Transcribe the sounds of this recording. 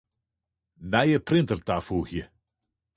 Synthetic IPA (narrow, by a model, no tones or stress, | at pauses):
najəpʰrɪntərd̥afuːhi